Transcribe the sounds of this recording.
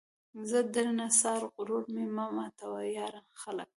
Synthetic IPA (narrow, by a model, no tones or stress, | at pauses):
zəd̪əɾnasɑːɾɣʊɾoɾmemamɑt̪awajɑɾamxalə̰k̚